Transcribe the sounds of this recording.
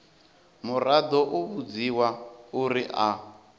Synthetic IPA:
murad̪ɔʔuβud͡ziwauɾiʔa

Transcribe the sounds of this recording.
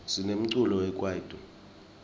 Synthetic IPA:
zinem̩ǀulɔwɛkʼwad̥ʱʼɔ

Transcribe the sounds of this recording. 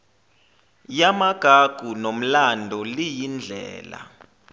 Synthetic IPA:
jamaɡ̥ʱaɡ̥ʱunom̩landʱɔlijind͡ɮʱɛ̰ːla̰

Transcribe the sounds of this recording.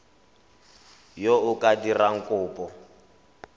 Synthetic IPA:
joʊkʼadiraŋ̩kʼʊːpʼɔ

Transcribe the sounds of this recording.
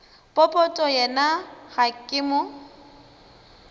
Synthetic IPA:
pʼɔpʼɔtʼɔjɛnaɣakʼɪmʊ

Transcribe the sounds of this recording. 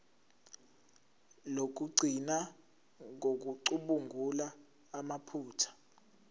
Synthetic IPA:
lok̬uɡ͡ǀʱina | ŋok̬uǀuɓuŋʱulaː | mapʰuːtʰḁ

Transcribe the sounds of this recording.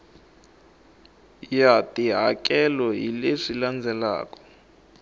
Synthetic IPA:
jatiɦakɛlɔɦileʂiland͡zʱɛla̰ːkɔ̥

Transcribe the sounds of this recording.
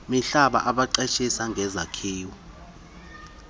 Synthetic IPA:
miɬaɓa̰ʔaɓaǃɛʃisaŋɡʱɛzakʰeːwu

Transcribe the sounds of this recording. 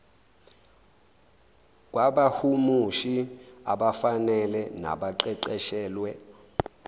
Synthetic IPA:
k̬waɓahumuʃiaɓafanɛlɛna̰ɓaǃɛǃɛʃɛːlwɛ

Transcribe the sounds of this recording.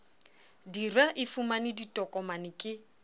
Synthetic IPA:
dirwaʔɪfumanɪditʼɔkʼɔmanɪkʼɪ

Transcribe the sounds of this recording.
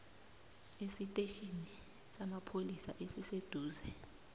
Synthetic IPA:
esitʼeʃini | samapʰolisaʔesised̥ʱuːzɛ

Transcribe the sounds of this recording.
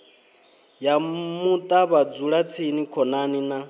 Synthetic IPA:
jamut̪ʼaβad͡zuɺat͡sʰinikʰɔnanina

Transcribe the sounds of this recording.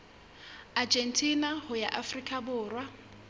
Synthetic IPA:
ad͡ʒen̩tʰʼinahʊjaʔafrikʼabʊːrwa

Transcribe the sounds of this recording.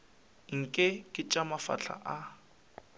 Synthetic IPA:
ŋ̩kʼɛkʼɪt͡ʃʼamafa̰ɬʰa̰ʔa

